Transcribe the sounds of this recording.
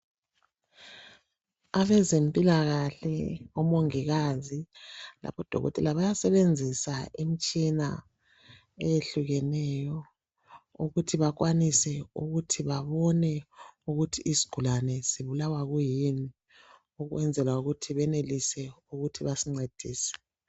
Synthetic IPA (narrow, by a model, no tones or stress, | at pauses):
aβɛzempʼilaɣaɬɛɔmoŋiɣazila̰pʰɔd̥ʱɔ̰ɣɔ̰tʼɛ̰laβajasɛβend͡zʱisaʔimit͡ʃʼina | ejeɬuɣɛnɛjɔ | ṵɣutʰiβakwanisɛuɣutʰiβaβɔnɛuɣutʰiːzi̥ɡ̥ʱulanɛziβulawaɣujini | uɣwɛnd͡zʱɛlauɣutʰiβɛnelisɛuɣutʰiβasiŋ͡ǀed̥ʱiːsɛ̥